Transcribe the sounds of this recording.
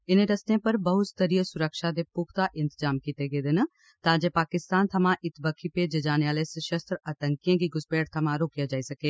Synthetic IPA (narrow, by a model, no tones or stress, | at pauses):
ɪnẽɾɐst̪ẽpɐɾbəɦʊt̪t̪əɾiəsʊɾəkʃad̪epʊkʰt̪aʔɪ̃nt̪əzaːmkiːt̪eɡeːd̪ɪn | t̪ãːd͡ʒepaːkɪst̪aːnt̪ʰɐmãʔɪt̪bəkʰiped͡ʒed͡ʒaːneaːlesɐʃəst̪ɾət̪əŋkijãːɡiɡʊspeːɽt̪ʰɐmãɾoːkijad͡ʒaːisɐkeː